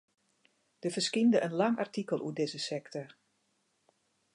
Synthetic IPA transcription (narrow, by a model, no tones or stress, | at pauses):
d̥əfərskindəʔənlɑŋartikəlˠʔṵədɪzəsɛktʰɔr